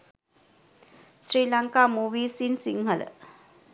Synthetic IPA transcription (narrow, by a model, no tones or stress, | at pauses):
sɾiːlɐŋkaːmuːʋiːsinsiŋɦələ̰